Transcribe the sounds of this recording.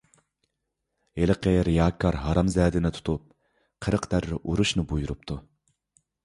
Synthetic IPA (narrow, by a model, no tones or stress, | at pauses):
eləqʰəɾijɑːkʰːɑɾɦɑɾɑmzɛːd̪ɪnɪt̪ʰu̥t̪ʰup̚ | qʰəɾəqd̪æɾːɪʔuɾuʃnɨbujuɾup̚t̪ʰu